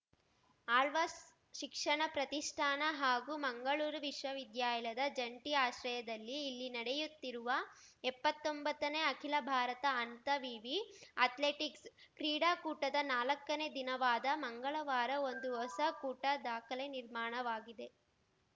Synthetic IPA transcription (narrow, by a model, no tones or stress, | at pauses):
aːlʋɐs | ʃikʂɐɳɐpɾɐt̪iʂʈʰaːnɐɦaːɡuːmɐŋɡɐɭuːɾuʋiʂʋɐʋid̪jaːjɐlɐd̪ɐd͡ʒɐɳʈiaːʃɾɐjɐd̪ɐlːiːlːinɐɽejut̪ːiɾuʋɐ | ɛpːɐt̪ːombɐt̪ːɐneːɐkʰilɐbʱaːɾɐt̪ɐːnt̪ɐʋiːʋiɐt̪leːʈikskɾiːɽaːkuːʈɐd̪ɐnaːlɐkːɐne̞d̪inɐʋaːd̪ɐmɐŋɡɐɭɐʋaːɾɐo̞nd̪uɦɔsɐkuːʈɐd̪aːkʰɐleniɾmaːɳɐʋaːɡid̪e̞